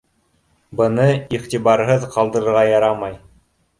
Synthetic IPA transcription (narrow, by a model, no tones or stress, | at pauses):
bɤ̆nɤiχt̪ibɑɾɦɤðqɑlˠd̪ɤ̆ɾɤ̆ɾʁɑjɑɾɑmɑj